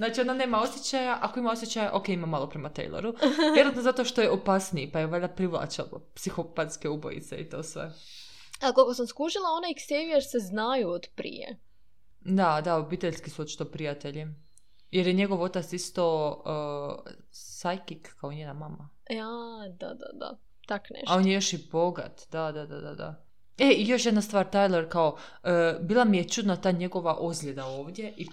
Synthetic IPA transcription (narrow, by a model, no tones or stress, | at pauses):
znaːt͡ʃiod̪ane̞ːmao̞sjet͡ɕajaʔako̞imaosjet͡ɕajaʔokeimamːalˠopɾemat̪ḛjlˠḛɾuvjeɾat̪nozat̪o̞ʃt̪ojeopasniipajeʋad̪apɾiʋlˠa̰t͡ʃa̰lpsixopat̪skeubo̰jḭt̪seit̪o̞ːsʋḛ | akolkosamskuʒilˠao̞naiksejujeɾseznajuod̪pɾḭjḛ | d̪ad̪aobiːt̪eʎʲskisuot̪t͡ʃi̥t̪opɾijat̪eʎi | je̞ɾje̞ɲeɡoʋo̞t̪at̪sist̪o | sajkikːaoɲeːnamama | ad̪a̰d̪a̰d̪a̰ | t̪aknḛʃao̞njejoʃibo̞ɡa̰t̪d̪ad̪ad̪ad̪a̰d̪a̰ | eijo̞ʃjed̪nast̪ʋaːɾt̪ajlˠeɾkao̞əbiːlˠamije̞t͡ʃud̪nat̪aːɲe̞ɡo̞ʋaʔozɡʎʲed̪aoːʋd̪jeʔi